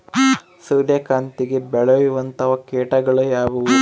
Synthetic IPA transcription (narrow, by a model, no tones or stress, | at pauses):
suːɾjɐkaːnt̪iɡebɛɭɐjuʋɐnt̪ɐʋɐkeːʈɐɡɐɭujaːʋuʋu